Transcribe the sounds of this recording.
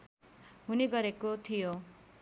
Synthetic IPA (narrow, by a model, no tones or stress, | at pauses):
ɦuniɡʌɾekot̪ʰijo